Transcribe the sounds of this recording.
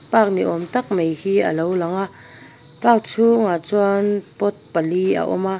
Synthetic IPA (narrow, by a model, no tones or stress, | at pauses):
paːk̚niʔɔmt̪ɐk̚mejhiːʔɐ̰lowlaŋaʔ | pak̚t͡sʰuŋat͡swanpɔt̪̚palia̰ʔɔ̰ma